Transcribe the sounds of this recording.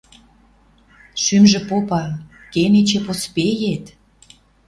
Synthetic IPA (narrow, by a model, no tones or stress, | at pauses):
ʃymʒĕpopɑl | kenet͡ɕepospejet̪